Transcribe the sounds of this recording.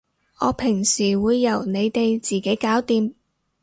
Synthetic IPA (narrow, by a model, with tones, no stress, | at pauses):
ɔː˨˧pʰɪ˨˩ŋsiː˨˩wuː˨˧jːɐ˨˩wne˨˧jt̪e˨jt͡siː˨ke˨˥jkaː˨˥wt̪iː˧m